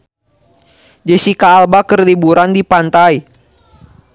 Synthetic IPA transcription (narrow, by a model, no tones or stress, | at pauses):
d͡ʒəsikaːlbakərlibuɾandipant̪ai